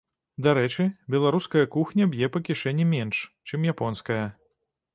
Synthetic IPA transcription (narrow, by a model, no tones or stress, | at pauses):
d̪aɾɛt͡ʂɨbʲɛlˠaɾuskɐjɐkuxnʲɐbjɛpɐkʲiʂɛnʲːimʲɛnʂt͡ʂɨmjapɔnskɐjɐ